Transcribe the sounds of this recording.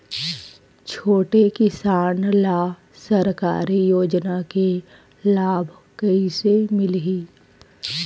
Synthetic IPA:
t͡ʃʰoːʈekɪsaːnlaː | sɐɾka̰ːɾijoːd͡ʒnake | laːbʱ | kɐisemɪlɦiː

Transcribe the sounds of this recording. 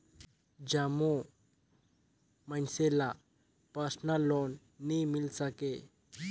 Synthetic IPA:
d͡ʑamo | mansela | pasnalɔnː | imilsake

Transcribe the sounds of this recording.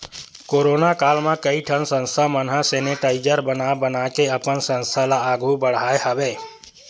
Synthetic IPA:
koɾoːnakaːlmãkəiʈʰənsə̃nst̪ʰamənɦãseːneʈaːɪd͡ʒəɾbənabənakeəpənsə̃nst̪ʰalaaːɡubəɽ̤aːehəbeː

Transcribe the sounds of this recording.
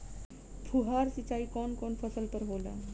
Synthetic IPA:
pʰuɦaɾsit͡ɕaiːkɔnkɔnfʰəsəlpəɾɦola̰

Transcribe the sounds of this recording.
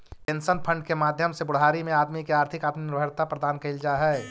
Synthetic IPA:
pẽnsənpʰə̃ɳɖkemaːd̪ʱjəmsebʊɽ̤ɦaːɾimẽaːd̪mikeaːɾt̪ʰɪkaːt̪minɪɾbʱəɾt̪apɾɐd̪aːnkeɪld͡ʒaːɦɛː

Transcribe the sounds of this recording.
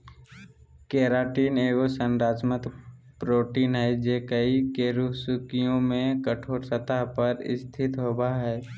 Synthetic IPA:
keːɾaːʈiːneːɡosənɾaːt͡ʃmət̪ | pɾoːʈiːnɦɛd͡ʒekəikeɾuɦsʊkijõmẽkəʈʰoːɾsət̪aɦpəɾɪ̰st̪ʰɪt̪ɦoːbaɦɛː

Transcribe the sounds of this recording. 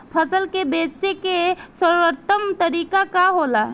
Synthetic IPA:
pʰəsəlkebet͡ʃekesəɾwət̪əmt̪əɾikakaɦola

